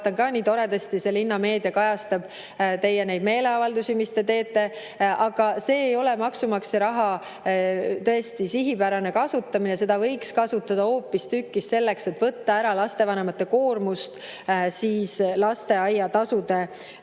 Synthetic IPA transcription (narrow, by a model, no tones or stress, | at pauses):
t̪ɑnkɑːniːt̪o̞ɾe̞d̪est̪ise̞linːɑme̞ːd̪iɑkɑjɑst̪ɑb̥ | t̪e̞jːenejd̪̥me̞ːle̞ɑvɑld̪usimist̪e̞t̪e̞ːt̪ːˑe̞ | ʔɑɡ̥ɑse̞ːjo̞lɛmɑksumɑkseɾɑɦɑ | t̪ɤ̞est̪isiɦipæɾɑne̞kɑsut̪ːɑminese̞d̪ɑvɤjkskɑsut̪ːˑɑd̪ɑo̞ːpːist̪ykːistse̞lːe̞kset̪ːˑvɤt̪ːɑæɾɑlɑst̪e̞vɑne̞mɑt̪ːe̞ko̞ːrmust̪ | siːslɑst̪e̞ɑjːɑt̪ɑsud̪e̞